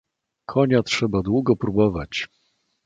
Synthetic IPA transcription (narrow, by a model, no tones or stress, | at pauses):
kʰɔɲatʂɛbad̪wuɡɔpɾubɔvat͡ɕ